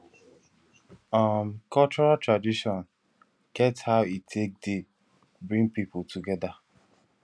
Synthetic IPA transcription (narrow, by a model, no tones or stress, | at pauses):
amkʰɔt͡ʃɔɹatɹadiʃɔ̃n | ɡ̥ɛthaʊitʰek̚de | bɹĩŋpiputʰuɡɛda